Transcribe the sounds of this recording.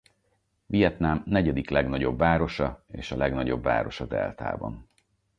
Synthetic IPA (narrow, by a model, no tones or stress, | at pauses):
vijɛt̪namnɛɟɛd̪iklɛɡnɒɟo̞bːaːɾo̞ʃɒeːʃɒlɛɡnɒɟo̞bːa̰ːɾo̞ʃɒd̪ɛ̰lt̪a̰ːbɒ̰n